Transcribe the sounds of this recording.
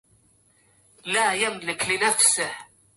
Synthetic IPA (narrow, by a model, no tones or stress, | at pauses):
laːjamlɪklɪnafsɪh